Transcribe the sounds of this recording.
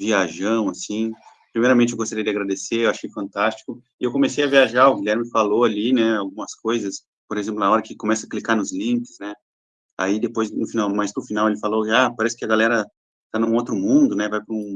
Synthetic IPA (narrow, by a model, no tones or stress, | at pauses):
viaʒɐ̃w̃asĩ | pɾimejɾɐmẽt͡ʃɪewɡost̪aɾejd͡ʒaɡɾad̪eseewaʃejfɐ̃nt̪ast͡ʃi̥kʊɪewkõmesejɐviaʒaʊɡilʲɛɾmɪfaloalinɛawɡũmɐskojzɐs | poɾezẽmplʊnaɔɾɐkɪkõmɛsɐklikanʊzlĩŋkɪznɛ | a̰id̪epojznʊfinawmaspɾʊfinawelɪfalokɪapaɾɛsɪ̥kɪɐɡalɛɾɐ | t̪anʊ̃ot̪ɾʊmũd̪ʊnɛvajpɾʊũ